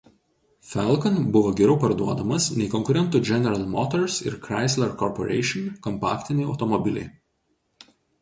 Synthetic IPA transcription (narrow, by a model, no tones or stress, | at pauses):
fʲɛlˠkɔnbʊʋoːɡʲɛɾʲɛʊpɐɾd̪uɔd̪ɐmɐsnʲɛɪkɔŋkʊɾʲɛnt̪ʊd͡ʒʲɛnʲɛɾɐlˠmɔt̪ɔɾsɪ̰ɾkɾɑɪsʲlʲɛɾkɔɾpɔɾʲɛ̰ɪʃʲɪnkɔmpɑ̰ːkʲt̪ʲɪnʲɛɪɐʊt̪ɔmɔbʲɪlʲɛ̰ɪ